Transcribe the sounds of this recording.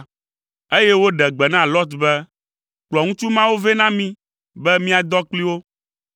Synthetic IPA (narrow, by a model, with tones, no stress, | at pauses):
e˦je˦wo˦ɖɛ˨ɡ͡bɛ˨nã˦˨lɔ˦t̪bɛ˦ | k͡plɔ˨ŋũ˦t͡ʃu˦mã˦wo˦vɛ˦nã˦mĩ˦ | bɛ˦mĩ˦a˨d̪ɔ˦k͡pli˦wo˦